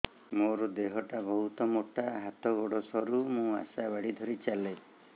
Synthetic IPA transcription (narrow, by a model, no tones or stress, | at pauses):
moɾɔd̪eɦɔʈabɔɦut̪ɔmoʈaɦat̪ɔɡoɽɔsɔɾumũa̰sabaɽid̪ʱɔɾit͡ʃale